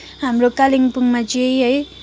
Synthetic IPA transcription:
ɦamɾokaliŋpuŋmad͡ʒiejɦʌj

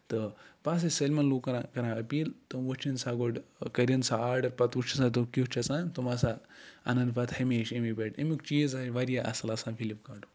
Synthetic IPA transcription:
t̪ɨpas̬ɐsɐlʲmɐnluːkɐɾakɐɾãːɐpiːlt̪ɨmʋot͡ʃʰɐnsaɡoɖkɐɾʲɐnsaaːɾɖɐɾpɐt̪ut͡ʃʰɐsãːt̪̬ukit͡ʃʰɐsãːt̪umasaɐ̰nɐnpɐt̪hɐmeʃɐmipeʈemʲikt͡ʃiːzaːʃʋaːɾijaʔɐ̰sɐlaːsãːfʰilipkaːʈu

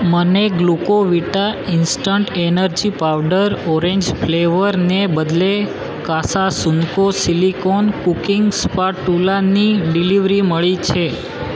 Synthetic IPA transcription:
məneɡlukoʋiʈainsʈəɳʈenəɾd͡ʒipawɖəɾɔɾẽɲd͡ʒfʰleʋəɾnebəd̪le | kasasuŋkosilikonkukiŋɡspaʈːulaniɖiliʋɾiməɭit͡ʃʰe

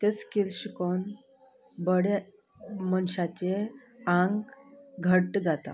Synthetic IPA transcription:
t̪et͡skiɾɕikon | bəɽe | mənɕat͡ɕe | ãŋɡɡʱəʈd͡zat̪a̰

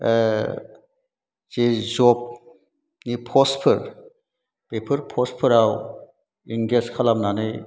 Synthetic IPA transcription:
z̥ezɔp̚ | nipʰɔspʰɯɾ | pepʰɯɾpʰɔspʰɯɾaw | iŋɡeskʰalamnanɯj

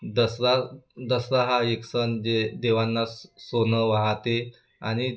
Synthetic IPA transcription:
d̪əsɾad̪əsɾaɦaeksənd͡ʑed̪eʋanːasonəʋaɦt̪e | aɽ̃i

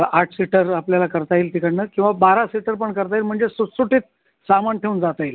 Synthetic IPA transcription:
aʈʰsiʈəɾapljalakəɾt̪aiːlt̪ikaɳnəkĩw̃ʋabaɾasiʈəɾpəɳkəɾt̪ailm̤əɳd͡zesusuʈiːt̪̚ | samanʈ̪ʰeund͡zat̪ail

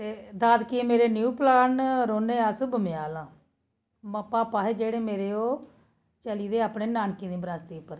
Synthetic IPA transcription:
t̪eːd̪aːd̪kimeːɾeːnjuːplaːnɾoːneːəsbəmɪjaːlãː | məpaːpaːɦeːd͡ʒeːɽeːmeːɾeːoː | t͡ʃəliːd̪eːaːpɳeːnaːnkĩːd̪iːbɾaːst̪iːʊpːəɾ

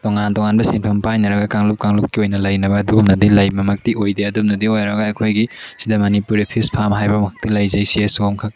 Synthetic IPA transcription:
tɔŋantɔŋanbɐsinpʰɐmpajnɐɾɐɡɐkaŋlup̚kaŋlup̚kiojnɐlɐjnɐbɐːduɡumnɐdilajmɐmɐk̚tiojdeɐdumnɐdiojɾɐɡɐɐkʰojɡisidɐmɐnipuɾipʰispʰamɐɦajbɐmɐkʰɐk̚tilɐjzɐjsiesuɡomkʰɐk̚

